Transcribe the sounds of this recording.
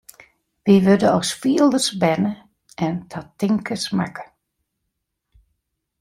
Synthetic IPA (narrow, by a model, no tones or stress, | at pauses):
ʋiʋødəɔsfiəlˠdəsbɛnə | ɛntʰatɪŋkəsma̰kə̥